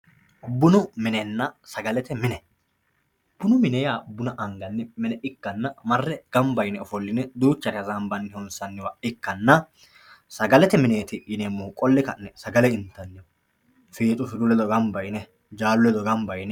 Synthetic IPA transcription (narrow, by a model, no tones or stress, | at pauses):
bʊnʊmɪnɛnːɐsɐɡɐlɛt̪ɛmɪnɛ | b̥ʊnʊmɪnɛjaːbʊnɐʔɐŋɡɐnːɛmɪnɛʔɪkːɐnːɐmɐrːɛɡ̥ɐmbɐjnɛɔfɔlːɪnɛd̪uːt͡ʃːɐɾɪɐzambɐnːɪhɔnsɐnːɪwɐʔɪkːɐnːɐ | sɐɡɐlɛt̪ɛmɪne̞ːt̪ɪjɪnemːʊʊkʼɔlːɪkɐnːɛsɐɡɐlɛɪnt̪ːɐnːɪɔ | feːt̪ʼʊfɪd̪ʊlɛd̪ɔɡɐmbɐjnɛ | d͡ʒaːlʊɛd̪ɔɡɐmbɐjnɛ